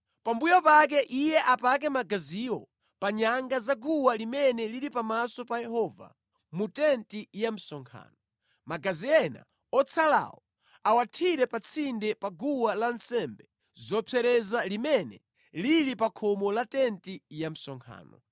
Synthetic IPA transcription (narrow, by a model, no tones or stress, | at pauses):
pambujɔpak̬ɛʔijɛʔapak̬ɛmaɡaziwɔ | paɲaŋɡazaɡuwalimɛnɛliɾipamasɔpajɛhɔva̰ | mutɛntijam̩sɔŋkʰa̰ːnɔ | maɡaziɛna̰ | ɔt͡sʰala̰wɔ | awatʰiɾɛpat͡sʰindɛpaɡuwalansɛmbɛ | zɔpʰɛɾɛzalimɛnɛ̰ | liɾipakʰɔmɔlatɛntijam̩sɔŋkʰa̰ːnɔ̰